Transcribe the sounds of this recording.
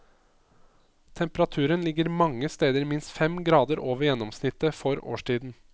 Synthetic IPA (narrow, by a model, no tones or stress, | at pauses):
t̪ʰɛmpəɾɑt̪ʰʉːɾənlɪɡəɾmɑŋːəst̪eːd̪əɾmɪnst̪fɛmɡɾɑːd̪əɾʔoːʋəɾjɛnːɔmsnɪt̪ːəfɔɾo̰ːʂʈʰiːd̪n̩